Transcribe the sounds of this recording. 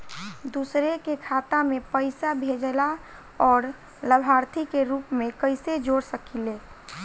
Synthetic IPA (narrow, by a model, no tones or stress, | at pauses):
d̪usɾekekʰat̪amẽpəɪsabʱed͡ʒla | ɔːɾ | ləbʱaːɾt̪ʰikeɾuːpmẽkəɪsed͡ʒoɽsəkile